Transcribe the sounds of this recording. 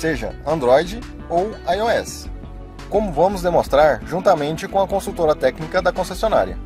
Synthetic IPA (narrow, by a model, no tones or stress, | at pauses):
seʒɐ̰ɐ̃nd̪ɾɔjd͡ʒɪ | owajoɛs | kõmʊvɐ̃mʊzd̪emõst̪ɾaɾʒũnt̪ɐmẽnt͡ʃɪkõɐkõsut̪oɾɐt̪ɛknikɐd̪ɐkõsesiona̰ɾiɐ̰